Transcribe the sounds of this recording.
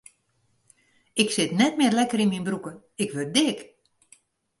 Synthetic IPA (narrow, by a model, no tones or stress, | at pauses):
ɪksɪtnɛtmɪːrlɛkəɾinminbrukə | ɪkʋøt̚dɪk